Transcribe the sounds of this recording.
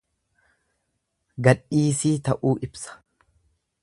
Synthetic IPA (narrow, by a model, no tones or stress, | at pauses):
ɡɐᶑiːsiːt̪ɐʔuːʔɪbsɐ̥